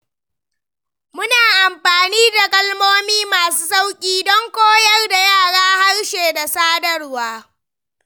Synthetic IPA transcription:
mʊ˦naː˨ʔa˨mɸaː˨niː˦da˨kʼɐ˦lmoː˦miː˦maː˨suː˦sa˦wkʲʼiː˦dɔ˦ŋkʷoː˦jɐ˦rda˨jaː˦˨ɽaː˦ha˦ɽʃeː˨da˨saː˦dɐ˦rwaː˦

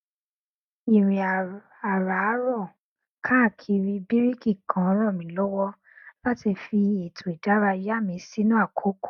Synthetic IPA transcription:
i˨ɾi˨a˨ | a˨ɾa˨˦ɾɔ˦˨ | kʰã˦a˦˨kʰi˧ɾi˧bi˦ɾi˦ki˦˨kʰã˨˦ɔ˧˦ɾ̃ɔ̃˦˨mĩ˨˦lɔ˦wɔ˦ | la˦ti˧fi˧e˨tʰo˨i˨da˨˦ɾa˧ja˦˨mĩ˧˦si˦nũ˦a˦˨kʰo˨˦ko̥˦˨

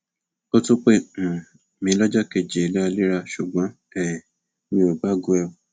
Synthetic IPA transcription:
ko˦tu˦k͡pẽ˦˨ | mĩ˨˦lɔ˦d͡ʒa˦ke˦˨d͡ʒe˨la˦˧˨li˦ɾa˦˨ʃu˨ɡ͡bɔ̃˨˦ | ɛ˨ | nĩ˦o˨ba˦ɡu˦ɛ˦˨

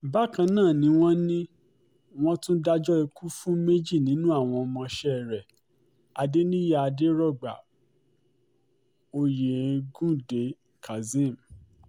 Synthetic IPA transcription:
ba˦kã˧nãː˦˨nĩ˨˦w̃ɔ̃˦nĩ˦ | w̃ɔ̃˦tũ˦da˦d͡ʒɔ˦i˧ku˦fũ˦me˦d͡ʒi˦˨nĩ˨˦nũ˦a˦˨w̃ɔ̃˧ɔ˧mɔ̃˧ʃɛ˦˨ɾɛ˨ | a˨de˦nĩ˦ja˦˨a˧de˦ɾɔ˦˨ɡ͡ba̰˨ | o˧je˨ɡũ˦de˨˦ | ka˨zĩ˦˨m̩˨

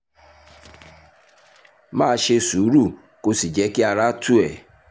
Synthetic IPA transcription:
mãː˦ʃe˧su˨˦ɾu˦˨ | ko˦si˨d͡ʒɛ˨˦ki˦a˨ɾa˦tu˦ɛ˨

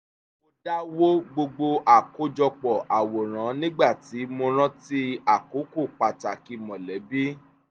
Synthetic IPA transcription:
o˧da˦wo˦ɡ͡bo˧ɡ͡bo˧ʔa˨ko˦d͡ʒɔ˧k͡pɔ˨ʔa˨wo˨ɾ̃ã˨˦nĩ˦ɡ͡ba˦˨ti˨˦mo˧ɾ̃ã˦ti˦a˦˨ko˨˦ko˦˨k͡pa˨ta˨ki˧mɔ̃˨lɛ˨˦bi˦

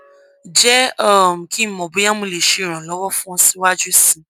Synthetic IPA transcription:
d͡ʒɛ˦ɔ˦˨m̩˨kʰĩ˦m̩˨mɔ˨bo˨˦jã˦mũ˧˨le˨ʃe˨ɾ̃ã˨lɔ˨˦wɔ˦fũ˦ɔ̃˧˦si˦wa˦d͡ʒu˦sĩ˨

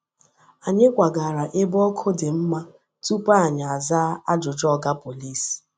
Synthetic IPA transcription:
a˨ɲe˦kʷa˨ɡa˨ɾa˨ʔɪ˦bɔ˦kʰo˦dɪ˨m̩˦ma˦ | tu˦pa˦a˨ɲa˨a˨za˦a˦d͡ʒʊ˨d͡ʒɔ˦˨ɡa˦po˨li˦s

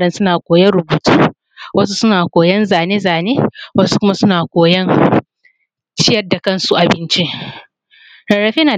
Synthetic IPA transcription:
ɽɐ˦nsʊ˦naː˨kʷoː˨jɐ˦ɽʊ˨buː˨tuː˦ | wɐ˦s̬u˦sʊ˦naː˨kʷoː˨jɐ˦nzaː˨neː˦zaː˨neː˦wɐ˦su˦kʷʊ˦ma˦sʊ˦naː˨kʷoː˨jɐ˦n | t͡ʃɪ˦jɐ˦rda˨kɐ˦nsu˦ʔa˨bɪ˦nt͡ʃi˦ʔ | ɐ˨ɽɐ˨ɸeː˦naː˨

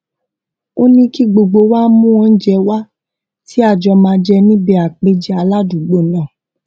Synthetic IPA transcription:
o˦nĩ˧ki˦ɡ͡bo˧ɡ͡bo˧wa˦mũ˦ɔ̃˧n̩˦d͡ʒɛ˧wa˦ | ti˦a˦˨d͡ʒɔ˧mãː˧d͡ʒɛ˧nĩ˦bɛ˧˨a˨k͡pe˦d͡ʒɛ˦a˧la˦dũ˨ɡ͡bo˦˨nã˦˨

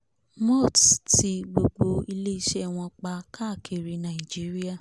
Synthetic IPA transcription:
mɔ˦˨tti˧ɡ͡bo˧ɡ͡bo˧i˧le˦i˦ʃɛ˦˨w̃ɔ̃˧k͡pa˧ka˦˨kʰi˨ɾi˧˦nã˨i˨d͡ʒi˨˦ɾi˦a˦˨

